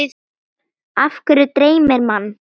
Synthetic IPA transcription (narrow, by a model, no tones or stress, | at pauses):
afkʏɾʏt̪ɾeːjmɛɾmanː